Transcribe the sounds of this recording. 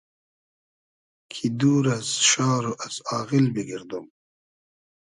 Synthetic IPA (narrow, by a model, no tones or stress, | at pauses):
kʰid̪uːɾɐzʃɑːɾoʔasɑːɣilbiɡiɾd̪um